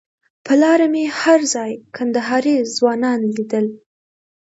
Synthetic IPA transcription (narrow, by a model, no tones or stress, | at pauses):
pʰəlɑɾamehaɾzɑjkʰand̪aɦɑɾizwɑnɑnlid̪əl